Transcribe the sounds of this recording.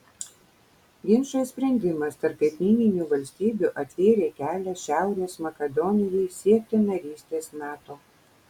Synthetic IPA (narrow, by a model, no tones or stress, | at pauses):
ɡʲɪnʃosʲpʲɾʲɛnʲd̪ʲɪmɐst̪ɐɾpkʲɐt̪ʲnʲiːnʲɪnʲuːʋɐlʲsʲt̪ʲiːbʲuʔɐt̪ʲʋʲeːɾʲeːkʲæːlʲɛʃʲæˑʊɾʲeːsmɐkʲɛd̪ɔnʲɪjɛɪsʲiɛk̚t̪ʲɪnɐɾʲiːsʲt̪ʲeːsmʲæːt̪oː